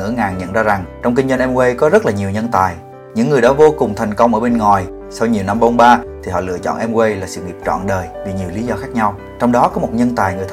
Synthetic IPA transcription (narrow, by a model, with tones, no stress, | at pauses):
ɨ̰˧˥əŋaː˨˩ŋɲə̰˧˨nzaː˧za˨˩ŋt͡ɕɔ˧wŋ͡mk̬ï˧ŋ̟zə˧nʔɛ˧mkwe˧kɔ˨˦zə˦˥t̚laː˨˩ɲi˨˩əwɲə˧nt̪a̰ː˨˩j | ɲɨ̰˧˥ŋːɨ˨˩əjɗa˨˧˦vo˧kʊ˨˩ŋ͡mt̪ʰjŋ̟kə˧wŋ͡mʔəː˧˩ɓe˧nŋɔ˨˩j | sa˧wɲi˨˩əwna˧mɓo˧nɓaː˧t̪ʰi˨˩hɔ̰˧˨lɨ̰˧˨ət͡ɕɔ̰˧˨nʔɛ˧mkwe˧laː˨˩sɨ̰˧˨ŋi˨˩əp̚t͡ɕɔ̰˧˨nɗəː˨˩jvi˨˩ɲi˨˩əwli˨˦zɔ˧xaː˦˥k̚ɲa˧w | t͡ɕɔ˧wŋ͡mɗɔ˨˦kɔ˨˦mo˨˩t̚ɲə˧nt̪a̰ː˨˩jŋɨ˨˩əjt̪